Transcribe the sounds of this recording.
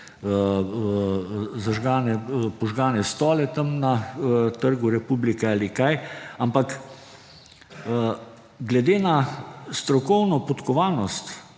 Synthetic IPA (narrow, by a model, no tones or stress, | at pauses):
zaʒɡaːnɛpɔʒɡaːnɛst̪ɔːlɛt̪ɐmnat̪əɾɡuɾɛpublikɛalikajampak | ɡlɛd̪eːnast̪ɾɔkɔwnɔpɔt̪kɔʋaːnɔst̪